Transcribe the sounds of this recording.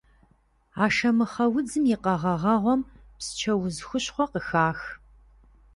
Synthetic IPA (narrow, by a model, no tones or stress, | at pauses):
aːʂɐmɨχɐwʊd͡zɨmjiqɐʁɐʁɐʁʷɔm | psɨ̥t͡ʃʰɐwʊzxʷʊɕχʷɔqəxaːx